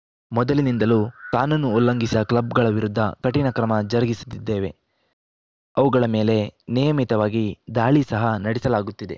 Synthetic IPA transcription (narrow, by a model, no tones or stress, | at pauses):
mɔd̪ɐlinind̪ɐluːk̪aːnɐnːuːlːɐŋɡisɐklɐb̚ɡɐɭɐʋiɾud̪ʱːɐkɐʈinɐkɾɐmɐd͡ʒɐɾɐɡisu̥d̪id̪ːe̞ːʋe̞ | ɐʋuɡɐɭɐme̞ːle̞nijɐmit̪ɐʋaːɡid̪aːɭisɐɦɐnɐɽisɐlaːɡut̪ːid̪e̞̰